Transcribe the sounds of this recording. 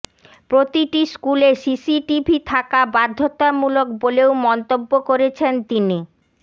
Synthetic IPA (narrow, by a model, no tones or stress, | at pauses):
pɾot̪iʈiskulesisiʈibʱit̪ʰakabad̪ʱːot̪amulokboleomɔnt̪obːokoɾet͡ɕʰent̪ini